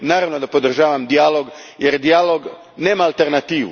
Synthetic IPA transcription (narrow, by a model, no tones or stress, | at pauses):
naːɾaʋnod̪apod̪r̩ʒaːʋamd̪ijalo̞ɡjeɾd̪ijaloɡ | ne̞ːmaːlˠt̪eɾnat̪iːʋṵ